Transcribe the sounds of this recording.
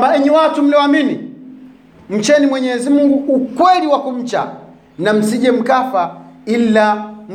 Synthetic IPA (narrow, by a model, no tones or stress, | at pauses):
baiɲiwatum̩lɛwamini | m̩t͡ʃɛnimwɛɲɛzimuŋɡuːkwɛliwakum̩t͡ʃa̰ | nam̩siʄɛm̩kafailam̩